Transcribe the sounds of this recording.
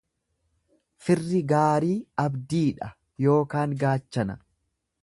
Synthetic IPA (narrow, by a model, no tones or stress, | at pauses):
fɪrːɪɡaːɾiːɐbd̪iːᶑɐ | jo̞ːkaːŋɡaːt͡ʃːɐnɐ̰